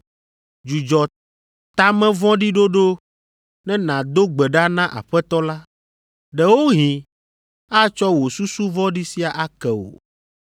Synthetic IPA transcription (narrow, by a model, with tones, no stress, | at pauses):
d͡ʒu˨d͡ʒɔ˨ | t̪t̪a˦mɛ̃˦vɔ̃˦ɖi˦ɖo˦ɖo˦ | nɛ̃˦nã˨d̪o˦ɡ͡bɛ˨ɖa˦nã˦ʔa̰˨ɸɛ˦t̪ɔ˦la˦ | ɖɛ˨wo˦ɦĩ˨ | a˦t͡ʃɔ˦wo˨su˦su˦vɔ̃˦ɖi˦si˦a˨ʔa˦kɛ˨wo̰˨